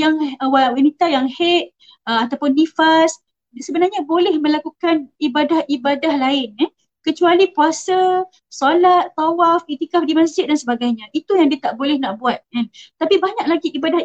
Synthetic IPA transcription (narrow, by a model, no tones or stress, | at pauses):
jaŋwawanit̪ajaŋhet̪̚ | əat̪awpʊndifas | səbənarɲãbolɛhmə̃lakukanibadahʔibadahlaɪna | kət͡ʃualikuasa | solat̪ːɔwafit̪ikafdimãsd͡ʒɪt̪̚dansəbaɡajɲãʔit̪ujaŋdiət̪aʔbolɛhnaʔbuat̪̚ant̪apibaɲaklaɡiʔibadah